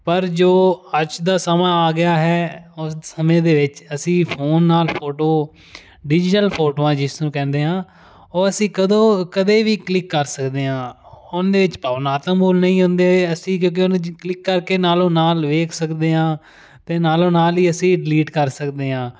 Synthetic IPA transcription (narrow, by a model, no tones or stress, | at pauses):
pəɾd͡ʒoːəd͡ʒd̪aːsəmãːaːɡɪjaːɦɛːʊssəmẽːd̪eːʋɪt͡ʃəsĩːpʰoːnːaːlpʰoːʈoː | ɖɪd͡ʒʈəlpʰoːʈoːãːd͡ʒɪsnũːkɛ̃ːnd̪eːɦãː | oːəsĩːkəd̪õːkəd̪eːʋiːklɪkːəɾsəkd̪eːɦãː | ʊnd̪eːʋɪt͡ʃpaːʋnaːt̪əmboːlnəĩːɦʊ̃nd̪eːəsĩːk̬jõːk̬eʊnklɪkːəɾkeːnaːlõːnaːlʋeːkʰsəkd̪eːɦãː | t̪eːnaːlõːnaːliːəsĩːɖɪliːʈkəɾsəkd̪eːɦãː